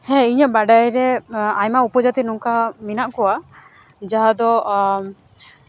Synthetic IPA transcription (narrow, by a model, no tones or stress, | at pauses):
hɛ̃iɲəbaɖajɾɛajmaupɔd͡ʒat̪inuŋkaminaʔkɔwa | d͡ʒaɦad̪ɔ